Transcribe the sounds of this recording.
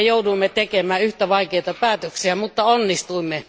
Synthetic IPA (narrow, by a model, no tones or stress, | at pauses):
jouduimːet̪ekemæːyht̪æʋɑikeit̪ɑpæːt̪øksiæmut̪ːɑonːist̪uimːe